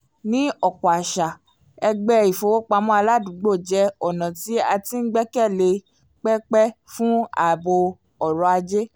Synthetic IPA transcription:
nĩ˦ɔ˨kɔ˨a˨ʃa˨ | ɛ˧ɡ͡bɛ˧i˨fo˨˧wo˦k͡pa˧mɔ̃˦a˧la˦˨dũ˨˦ɡ͡bo˦˨d͡ʒɛ˨˦ɔ˨nã˨ti˨˦a˧ti˦n̩˦ɡ͡bɛ˦kɛ˦˨le˧ | k͡pɛ˦k͡pɛ˦fũ˦a̰˨bo˧ | ɔ˨ɾɔ˧a˧d͡ʒe˦

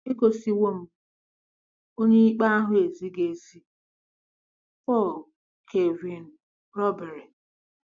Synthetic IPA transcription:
i˦ko˨si˦wo˦m̩˦ | o˦ɲe˦i˦k͡pa˦a˦ɦʊ˦e˨zi˦ɡe˨zi˦ | fɔ˦˨ | kʰe˨vi˨n̩˨ | ɾɔ˦be˨ɾe˨

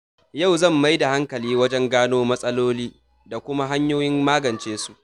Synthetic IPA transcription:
ja˦˨wzɐ˦˨mːa˦jda˨ha˦ŋkɐ˨liː˦wɐ˦d͡ʒɛ˦ŋɡaː˦noː˦mɐ˦sʼɐ˦loː˦liː˦ | da˨kʷʊ˦ma˦ɦa˦ɲjoː˦jɪ˦mmaː˦ɡɐ˨nt͡ʃeː˦su˨

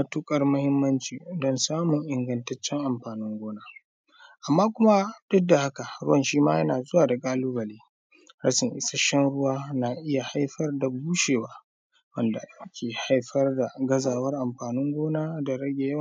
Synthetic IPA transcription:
mɐ˦tu˦kʼɐ˦rmʊ˦hɪ˦mːɐ˦nt͡ʃiː˨dɔ˦nsaː˦mʊ˨ŋʔɪ˨ŋɡɐ˨ntɐ˦t͡ʃːɛ˦ŋʔa˨mɸaː˨nɪ˦ŋɡʷoː˦naː˦ | ʔa˨mːaː˦kʷʊ˦ma˦d̥ɐ˦dːa˨ha˦ka˨ɾʊ˦wɐ˨nʃiː˦maː˦jɐ˦naː˨zʊ˦waː˨da˨kʼaː˦luː˦bɐ˨leː˦ | ɾɐ̰˦ʃɪ˨ŋʔɪ̰˦sa˦ʃɛ˦nɽʊ˦waː˦na˨ʔɪ˦ja˨ha˦jɸɐ˦rda˨buː˦ʃeː˨waː˦ | wɐ˦nda̰˨jɐ˦kʲʰeː˨ha˦jɸɐ˦rda˨ɡɐ˦zaː˨wɐ˦rʔa˨mɸaː˨nʊ˦ŋɡʷoː˦naː˦da˨ɽɐ˦ɡʲe˨jɐ˦w

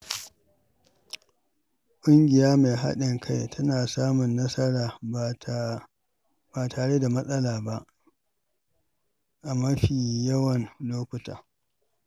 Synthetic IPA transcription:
kʷʼʊ˦ŋɡʲɪ˨jaː˦ma˨ɦa̰˦ɗɪ˨ŋkʰa˦jtʰɐ˦naː˨saː˦mʊ˨nːɐ˦sɐ˦ɽaː˨ | baː˨tʰaː˨ɽe˦da˨mɐ˦sʼɐ˦laː˨ba˦ʔ | ʔa˨mɐ˦ɸiː˨jɐ˦wɐ˨nloː˦kʷʊ˨ta̰ː˨

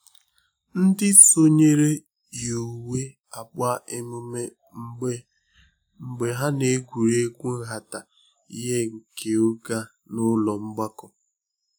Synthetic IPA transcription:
n̩˦dɪ˦so˦ɲe˦ɾe˦ | jo˨we˦ | a˨ba˦e˦mu˦me˦ | ŋ͡m̩˦e˦ | ŋ͡m̩˨ɡ͡be˨ɦa˦ne˨˦ɡʷu˨ɾe˦ɡʷu˦n̩˦ɦa˨ta˨ | i˦ɦe˦ŋ̩˨ke˨o˦ɡa˦ | nʊ˦lɔ˨ŋ͡m̩˦ɡ͡ba˦kɔ˨

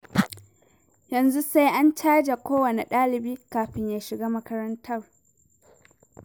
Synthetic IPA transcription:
jɐ˨nzu˦sa˦jʔa˦nt͡ʃaː˦d͡ʒa˨kʷoː˦wɐ˨ne˨ɗaː˦lɪ˨biː˦kaː˨ɸɪ˦ɲjaː˨ʃɪ˨ɡaː˦mɐ˦kɐ˦ɾɐ˦ntʰɐ˦˨r

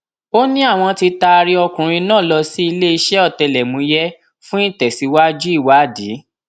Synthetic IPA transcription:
o˦nĩ˦a˦˨w̃ɔ̃˧ti˧ta˧ɾi˦ɔ˧kũ˨ɾ̃ĩ˧nãː˦˨lɔ˧si˦i˧le˦i˧ʃɛ˦ɔ˦˨tɛ˧lɛ˨mũ˨˧˦jɛ˦ | fũ˦ĩ˦˨tɛ˨si˨˦wa˦d͡ʒu˦i˦˨wa˨˦˨di˨˦

